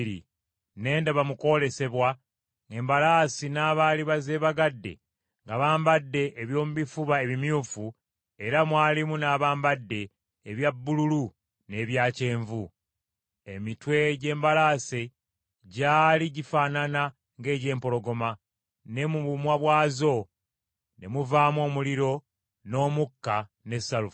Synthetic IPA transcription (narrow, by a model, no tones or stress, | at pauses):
ɾḭ | ne̞ːndaβamuko̞le̞se̞βwa | ŋe̞ːmbalaːsinaːβaːliβaze̞ːβaɡadːe̞̰ | ŋɡaβaːmbadːe̞ʔːβjo̞ːmuβifuβae̞βimjuːfu | e̞ɾamwaːlimunaːβaːmbadːe̞ː | βjabːululu | ne̞ːβjaːce̞ːɱvu | e̞mitwe̞ɟe̞ːmbalaːse | ɟaːliɟifaːnana | ŋɡe̞ːɟe̞ːmpo̞lo̞ɡo̞ma | ne̞muβumwaβwaːzo̞ | ne̞̰muvaːmwo̞ːmuliɾo̞ | no̞ːmukːa | ne̞saluf